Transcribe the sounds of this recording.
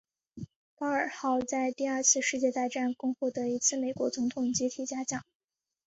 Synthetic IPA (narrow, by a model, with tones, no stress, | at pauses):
pɑ˥ə˞˨˩xɑ˥˩˧ʊt͡sa˥˧ɪt̪i˥˧ɐ˞˥˧t͡sʰɹ̩˥˧ʂɻ̩˥˧t͡ɕjɛ˥˧t̪a˥˧ɪʈ͡ʂa˥˩nkʊ˥ŋxɔ˥˩d̪ə˩i˧˥t͡sʰɹ̩˥˩me˧˩ɪkwɔ˧˥t͡sʊ˧˥ŋt̪ʰʊ˨˩ŋt͡ɕi˧˥t̪ʰi˨˩t͡ɕja˥t͡ɕjɑ˥˩ŋ